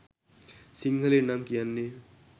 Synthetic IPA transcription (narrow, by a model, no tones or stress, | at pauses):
siŋɡʱəlenamkijanːe